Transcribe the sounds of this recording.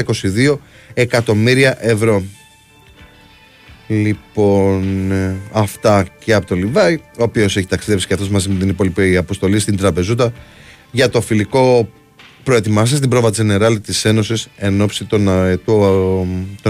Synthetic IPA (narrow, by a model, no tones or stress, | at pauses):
iko̞siðio̞ | e̞kɐt̪o̞miɾiɐʔe̞vɾo̞ | lipo̞nɐft̪ɐceɐpo̞t̪o̞livɐio̞ːpio̞se̞çit̪ɐksiðe̞psi̥ceɐft̪omɐzimet̪inipo̞lipiɐpo̞st̪o̞list̪ind̪ɾɐpe̞zut̪̬ɐ | ʝɐt̪o̞filiko̞ | pɾo̞e̞t̪imɐs̬ist̪ibɾo̞vɐt̪isineɾɐlit̪ise̞no̞sise̞no̞psit̪o | t̪o